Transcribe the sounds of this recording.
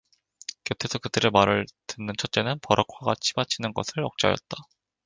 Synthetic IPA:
kjetʰe̞sʰʌkɯdɯɾe̞maɾɯɭtɯnːɯnt͡ɕʰʌt̚t͡ɕ͈e̞nɯnpʌɾʔʌkʰwaɡat͡ɕʰi̥bat͡ɕʰinɯnɡʌ̰sʰɯɭʌk̚t͡ɕ͈a̰jʌ̰t̚t͈a

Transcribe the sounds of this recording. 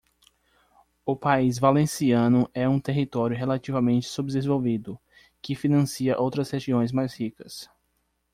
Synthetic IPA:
ʊpaizvalẽsiɐ̃nʊʔɛũt̪eɦit̪ɔɾjʊɦelat͡ʃivɐmẽnt͡ʃɪ̥subɪd̪ezvowvid̪ʊ | kɪfinɐ̃siɐʔowt̪ɾɐsheʒiõj̃zmajshikɐ̥s

